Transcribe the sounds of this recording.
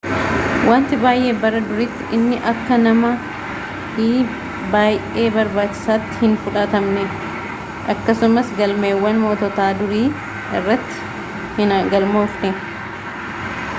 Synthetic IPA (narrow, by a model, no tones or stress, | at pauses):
waːnt̪ɪbaːjʔe̞ːbɐɾɐd̪ʊɾɪt̪ːɪʔɪnːɪʔɐkːɐnɐmɐ | hiː | baːjʔeːbɐɾbaːt͡ʃːɪ̥saːt̪ːɪ̥hɪnfʊᶑɐt̪ɐmnɛ | ʔɐkːɐsʊmɐsɡɐlmeːwːɐnmoːt̪ɔt̪aːd̪ʊɾiː | ɪrːɐt̪ːɪ̥ | hnɡɐlmoːfnɛ